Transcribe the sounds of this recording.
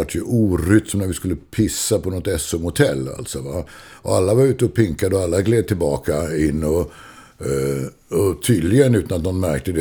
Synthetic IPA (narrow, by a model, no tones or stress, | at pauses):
aʈːjɵʔuːɾʏt̪ːsɔmnæɾvɪskɵlːəpʰɪsːapʰɔnɔt̪ɛsːʊmʊt̪ʰɛlːa̰lt̪sɔva | ɔalːavaɾʉ̟ːt̪əɔpʰɪŋkad̪əɔalːaɡleːd̪̚t̪ʰɪlbɑːkaɪnːɔ | ɔt̪ʰyːd̪lɪɡənʉ̟ːt̪anat̪̚nɔnmæɾk̚t̪əd̪ɛ